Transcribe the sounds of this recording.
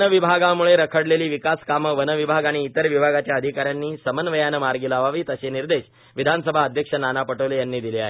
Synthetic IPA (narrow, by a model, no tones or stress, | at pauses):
əʋibʱaɡamuɭeɾəkʰəɽleliːʋikaskaməʋənəʋibʱaɡaɽ̃iːt̪əɾʋibʱaɡat͡ɕjaəd̪ʱikaɾjanːiːsəmənʋəjanəmaɾɡiːlaʋaʋiːt̪əɕeniɾd̪eɕ | ʋid̪ʱansəbʱaəd̪ʱjəkʂənanapəʈəʋlejanːiːd̪ilea̰ɦe